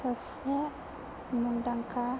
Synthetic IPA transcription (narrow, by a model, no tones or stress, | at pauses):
as | ɛ | mundaŋka